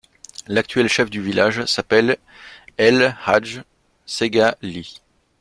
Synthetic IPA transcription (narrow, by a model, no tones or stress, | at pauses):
lak̚t̪ɥɛlʃɛfd̪yvilaʒsapɛl | ɛlhaʒ | seɡali